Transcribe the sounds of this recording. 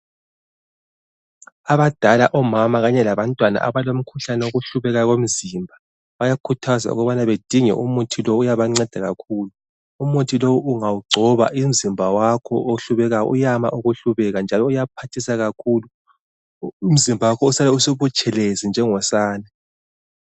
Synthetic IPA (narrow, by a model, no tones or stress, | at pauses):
aβad̥ʱalaʔɔmamaɣaɲɛlaβantʼwana̰ʔa̰βalom̩kʰuɬanɛoɣuɬuβɛɣaɣom̩zimbʱa | βajakʰutʰaza̰ṵɣɔβanaβed̥ʱiŋɛ̰ʔumutʰilowːjaβaŋ͡ǀɛd̥ʱaɣakʰuːluː | mutʰilowuʔuŋawuɡ͡ǀʱɔβa̰ʔim̩zimbʱawakʰɔ̰ʔoɬuβɛɣaɔ̰ʔujama̰ʔuɣuɬuβɛɣand͡ʒʱalɔujapʰatʰisaɣakʰuːlu | um̩zimbʱawakʰɔusalɛusuβut͡ʃʼɛlezind͡ʒʱɛŋɔsaːna